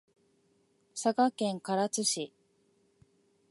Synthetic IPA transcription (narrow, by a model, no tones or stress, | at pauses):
sakakẽ̞ŋkaɾat͡sɨɕi